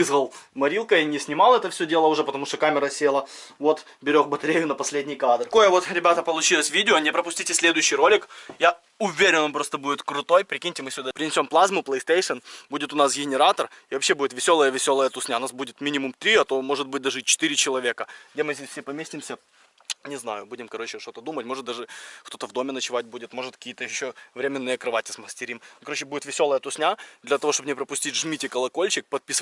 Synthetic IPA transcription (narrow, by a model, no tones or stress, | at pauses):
ɨzɣəlˠmɐɾʲilˠkəinʲɪsʲnʲɪmalˠɛt̪əfsʲɵdʲe̞lˠəʊʐɛpət̪ɐmuʂt̪okamʲɪɾəsʲelˠə | vo̞t̪ | bʲɪɾʲoxbət̪ɐɾʲejʊnəpɐsʲlʲedʲnʲɪjkad̪ko̞jəvo̞t̪ɾʲɪbʲat̪əpəlˠʊt͡ɕilˠəsʲvʲidʲɪonʲɪpɾəpʊsʲtʲitʲɪsʲlʲed̪ʊjʉɕːɪjro̞lʲɪkja | ʊvʲeɾʲɪnvɐmpɾo̞st̪əbudʲɪt̪kɾʊt̪o̞jpɾʲɪkʲinʲtʲɪmɨsʲʊd̪apɾʲɪnʲɪsʲo̞mplˠazmʊplˠəjst̪ejʂənbudʲɪt̪ʊnasɡʲɪnʲɪɾat̪ərivɐpɕːe̞budɪt̪vʲɪsʲo̞lˠəjəvʲɪsʲo̞lˠəjət̪ʊsnʲaʊnasbudʲɪt̪mʲinʲɪmʊmt̪ɾʲiɐt̪o̞mo̞ʐɨt̪̚bɨt̚ʲd̪aʐɨt͡ɕɪ̥t̪ɨɾʲɪt͡ɕɪlˠɐvʲekəɡdʲemɨzʲdʲesʲfʲsʲepɐmʲesʲtʲɪmsʲə | nʲɪznajʊbudʲɪmkɐɾo̞t͡ɕɪʂt̪o̞t̪əd̪umətʲmo̞ʐɨt̪d̪aʐɨʂt̪o̞t̪əvd̪o̞mʲɪnət͡ɕɪvat̚ʲbudʲɪt̪mo̞ʐɨt̪kəkʲijət̪əjɪɕːovɾʲemʲɪnːɨjəkɾɐvatʲɪsməsʲtʲɪɾʲimkɐɾot͡ɕɪbudʲɪt̪vʲɪsʲo̞lˠəjət̪ʊsnʲad̪lʲɐt̪ɐvoʂt̪obnʲɪɛpɾəpʊsʲtʲitʲʐmʲitʲɪkəlˠɐko̞lʲt͡ɕɪk̚pɐt̪̚pʲis